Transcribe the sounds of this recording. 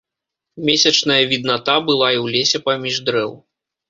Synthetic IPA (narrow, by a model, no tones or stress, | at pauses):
mʲesʲɐt͡ʂnɐjɐvʲid̪nat̪abɨlˠaiwlʲesʲɛpamʲiʐd̪ɾɛw